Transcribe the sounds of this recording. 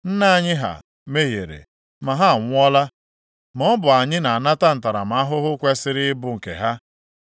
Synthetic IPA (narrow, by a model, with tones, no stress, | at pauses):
n̩˦na˦˨ɲɪ˦ɦa̰˨ | me˦ɦje˨ɾḛ˨ | ma˨ɦa˦˨ŋʷ˦ɔ˦la˦ | m˨ɔ˦bʊ˨a˨ɲɪ˦na˨a˨na˦ta˦n̩˨ta˨ɾa̰˨m̩˨a˦ɦʊ˦ɦʊ˦kʷe˦sɪ˦ɾɪ˦bʊ˨ŋ̩˨kḛ˨ɦa˦